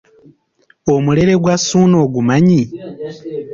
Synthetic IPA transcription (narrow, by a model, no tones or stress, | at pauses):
omule̞ɾe̞ɡwasuːno̞ːɡumaɲi